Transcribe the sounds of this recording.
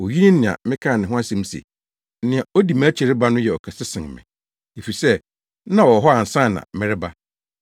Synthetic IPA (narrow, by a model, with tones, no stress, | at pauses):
o˨ɥi˦nɪ̃˦nɪ̃˨ã̰˨mɪ̃˦kʰa˦˨nɪ̃˨ɦʊ̃˦a˦sɛ̃˦m˦sḛ˨˦ | nɪ̃˨a˨o˦di˨m˦æ˦t͡ɕʰɛ˨ɾɪ˦ba˦nʊ̃˦jɛ˨ɔ˨kʰɛ˨sɪ˦sɪ̃˨ŋ˨mɪ̰̃˨ | e˨fi˨i˨sɛ˦ | nã˦˨wɔ˨ɦɔ˦a˨n̩˨sã˦˨nã̰˨mɪ̃˦ɾɪ˦ba˦